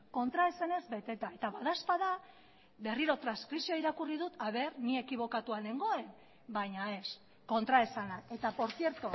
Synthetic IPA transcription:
ko̞nt̪ɾae̞se̞ne̞zbe̞t̪e̞t̪ae̞t̪aβaðaspað̞a | be̞riɾo̞t̪ɾanskɾisio̞iɾakuriðut̪aβe̞ɾnie̞kiβ̞o̞kat̪uane̞ŋɡo̞e̞n | bajɲae̞s | ko̞nt̪ɾae̞sanae̞t̪apo̞ɾθje̞ɾt̪o

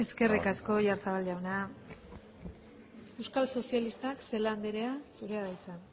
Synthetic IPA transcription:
e̞ske̞rikasko̞ʝaɾt͡saβalʎawnea | e̞wskalso̞sialist̪akse̞land̪eɾeasuɾe̞aðajt͡sa

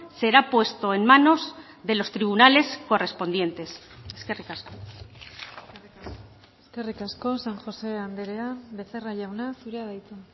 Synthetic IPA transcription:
se̞ɾapwe̞st̪o̞enmano̞z | ðe̞lo̞st̪ɾiβ̞unale̞sko̞re̞spo̞nd̪je̞nt̪e̞s | eskerikasko | eskerikasko̞saŋxo̞se̞and̪eɾeaβe̞seraʝawnasuɾeaðajt͡s̪e

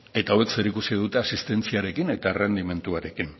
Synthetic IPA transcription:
e̞t̪aowekse̞ɾikusið̞ut̪e̞asist̪e̞nt͡siaɾe̞kine̞t̪arend̪ime̞nt̪uaɾe̞kin

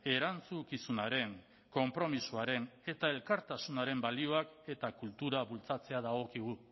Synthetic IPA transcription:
e̞ɾant͡sukisunaɾe̞ŋ | ko̞mpɾo̞misuaɾe̞ne̞t̪ae̞lkaɾt̪asunaɾe̞mbalio̞ake̞t̪akult̪uɾaβult͡sat͡se̞að̞aɣ̞o̞kiɣ̞u

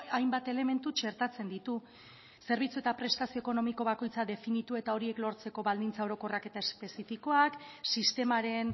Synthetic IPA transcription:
ajmbat̪e̞le̞me̞nt̪ut͡ʃe̞ɾt̪at͡se̞nd̪it̪u | se̞ɾβ̞it͡suet̪apɾe̞st̪asio̞eko̞no̞miko̞βako̞jt͡saðe̞finit̪ue̞t̪ao̞ɾie̞klo̞ɾt͡se̞ko̞βald̪int͡sao̞ɾo̞ko̞rake̞t̪aespe̞sifiko̞aksist̪e̞maɾe̞n

